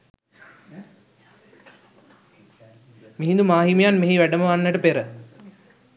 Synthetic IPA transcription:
miɦind̪umaːɦimijanmeɦiʋæɖəməʋanːəʈəpeɾə

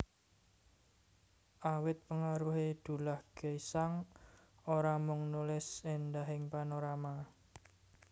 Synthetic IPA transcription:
ʔawɪt̪̚pəŋaɾuɦed̪̥ṳlahɡ̥ə̤saŋ | oɾamʊŋnulɪsend̪aɦɪŋpanoɾama

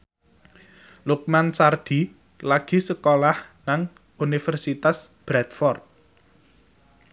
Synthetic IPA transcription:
luk̚mansard̪̥i̤ | laɡ̥i̤səkolahnaŋ | unifərsit̪asb̥ɾɛt̪fɔrt̪̚

